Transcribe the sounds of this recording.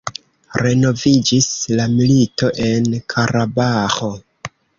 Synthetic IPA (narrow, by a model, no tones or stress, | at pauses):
ɾe̞no̞vid͡ʒislamilito̞ʔe̞nkʰaɾabaxo̞